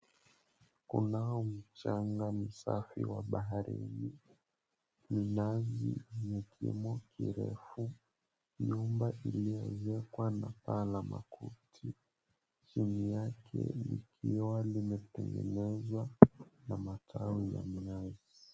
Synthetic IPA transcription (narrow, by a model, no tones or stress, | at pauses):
kunaɔm̩t͡ʃaŋɡam̩safiwaɓaɦaɾḭi | minazḭɲɛkʰḭmɔkʰiɾɛfu | jumbaʔilijɔzɛkwanapalamakutʰi | t͡ʃinijakʰɛ̰likʰiwalimɛtɛŋɡɛ̰nɛzwanamatʰawija̰miazi